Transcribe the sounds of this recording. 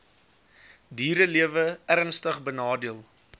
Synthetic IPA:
diːɾəliəvəærənstəχbənɑːdiəlˠ

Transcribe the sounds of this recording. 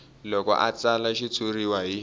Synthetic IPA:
lɔkɔ̰ʔa̰t͡salaʃit͡sʰuriwaɦi

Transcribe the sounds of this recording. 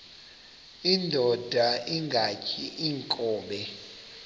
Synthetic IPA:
indʱɔd̥ʱaiŋɡʱacʰiʔiŋkʼɔːɓɛ

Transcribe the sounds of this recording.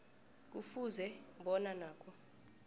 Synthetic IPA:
k̬ʼufuzɛɓɔnanaːkʰʼɔ

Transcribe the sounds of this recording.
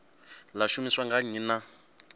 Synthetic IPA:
laʃumiswaŋɡaɲina

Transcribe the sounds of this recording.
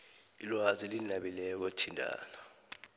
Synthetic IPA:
ilwazilinaɓilɛɔk̬otʰindʱa̰ːnɔ

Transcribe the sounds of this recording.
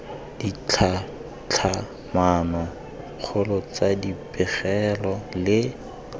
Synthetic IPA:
d̥it͡ɬʰa | t͡ɬʰa | manɔ | k͡xʰʊlɔt͡sadipɪɣɛlɔlɪ

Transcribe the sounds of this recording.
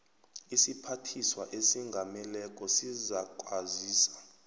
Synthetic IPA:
isipʰatʰiswaʔesiŋɡʱamɛlɛk̬ʼɔsizakʼwaziːsḁ

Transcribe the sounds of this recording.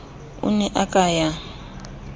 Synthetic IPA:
ʊ̰nɛʔakʼaːja

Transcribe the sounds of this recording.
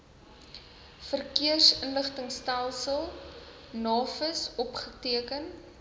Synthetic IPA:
fərkiərsənləχtəŋstælˠsəlˠ | nɑːfəsɔpχətiəkən

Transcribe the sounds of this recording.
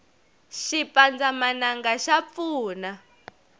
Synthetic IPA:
ʃipand͡zamanaŋɡaʃap̪fuːna

